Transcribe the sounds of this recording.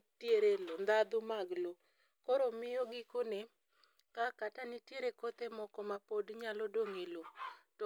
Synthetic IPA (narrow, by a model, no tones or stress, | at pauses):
tjeɾelond̪ad̪ʊmaɡlo | kɔɾomɪjɔɡɪkone | kakatanitjeɾekot̪emɔkɔmapodɲalɔdoŋelot